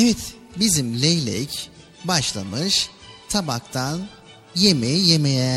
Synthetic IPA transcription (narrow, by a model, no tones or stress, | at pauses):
evɛt̪ | bizimlʲejlʲɛ̰c | baʃlˠa̰mɯʃ | t̪ʰabakt̪ʰan | jemɛjemejɛ